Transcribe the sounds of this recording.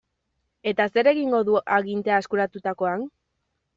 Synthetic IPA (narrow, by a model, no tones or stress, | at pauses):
e̞t̪ase̞ɾe̞ɣiŋɡo̞ðuʔaɣint̪e̞aeskuɾat̪ut̪ako̞an